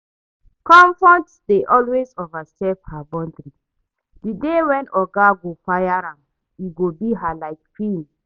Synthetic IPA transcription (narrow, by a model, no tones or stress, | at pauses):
kɔ̃ɱfɹɔ̃ntsdeʔɔlwezovasɛphabɔ̃ndɾi | didewɛ̃nɔɡaɡofajaɾãm | jiɡobiɦalaɪk̚kʰwĩn